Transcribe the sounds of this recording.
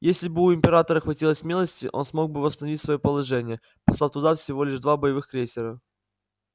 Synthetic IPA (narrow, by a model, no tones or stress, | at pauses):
jesʲlʲɪbɨʊɪmʲpʲɪɾat̪əɾəxvɐtʲilˠəsʲmʲelˠəsʲtʲɪ̰ʔo̞̰nsmo̞ɡ̚bɨvəst̪ənɐvʲitʲsvɐjopəlˠɐʐɛnʲɪjə | pɐslˠaft̪ʊd̪afsʲɪvo̞lʲɪʐd̪vabəjɪvɨxkɾʲesʲɪɾə